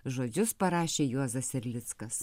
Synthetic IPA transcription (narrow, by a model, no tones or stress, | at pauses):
ʒoːd͡ʒʲʊspɐɾɑːʃʲeːjuɔzɐsɛɾʲlʲɪt̪skɐs